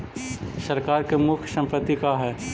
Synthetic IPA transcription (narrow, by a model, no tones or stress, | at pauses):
sɐɾkaːɾkemʊkʰjsɐ̃mpət̪ːikaɦɛː